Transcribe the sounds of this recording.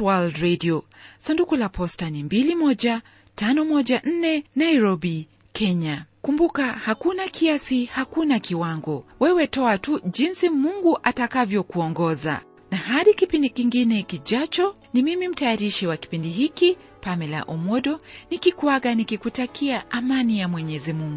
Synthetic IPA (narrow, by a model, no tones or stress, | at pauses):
waldɾɛdiɔsandukulapʰɔstanimbilimɔʄa | tanɔmɔʄaʔn̩nɛnaiɾɔɓi | kʰɛɲakumbukahakunakʰiasihakunakiwaŋɡɔwɛwɛtɔatuʄinsimuŋɡuʔatakavjɔkuɔŋɡɔza̰ | nahaɗikipindikiŋɡinɛkiʄat͡ʃɔ | nimimim̩tajaɾiʃiwaki̥pindiɦiki | pamɛla̰ʔɔmɔɗɔnikikuaɠanikikutakʰiaʔamanijamwɛɲɛzimuŋɡu